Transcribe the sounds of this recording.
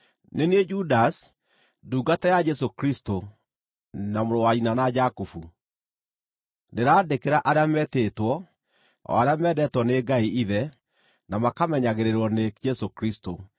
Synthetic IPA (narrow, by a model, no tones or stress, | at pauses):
neneed͡ʒudas | duːɡatɛjad͡ʒɛs̬okɾisto | namoɾowainanad͡ʒakufu | neɾaːdekeɾaʔaɾeamɛtetwɔ | ɔ̰aɾejamɛdɛtwɔneɡaiiðɛ | namakamɛɲaɣeɾeɾwɔned͡ʒɛsokɾisto